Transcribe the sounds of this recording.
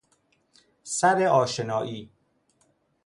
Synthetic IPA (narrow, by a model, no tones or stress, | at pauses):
sæɾeʔɒːʃenɒːʔiː